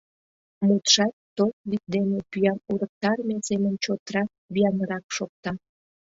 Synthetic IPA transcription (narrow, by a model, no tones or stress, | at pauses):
mut̪ʃɑt̪ːot̪̚lik̚d̪enepyjɑnuɾək̚t̪ɑrmesemənt͡ɕot̪ɾɑ | byjɑməɾɑkʃok̚t̪ɑ